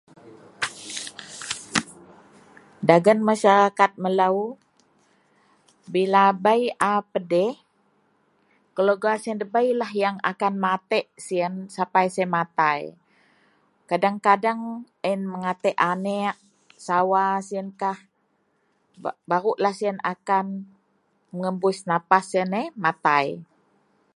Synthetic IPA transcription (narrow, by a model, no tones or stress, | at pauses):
daɡənmaʃaɾakat̪̚məlau | bilabajapədɛh | kəloɡasiəndəbajlahjaŋa̰kanmat̪ɛʔsiənsapajsamat̪aj | kadaŋkadaŋ | ənməŋat̪ɛʔanɛʔ | sawasiənkah | bbaɾuʔlahsiəna̰kan | məŋəmbʊsnapasiənɛmat̪aj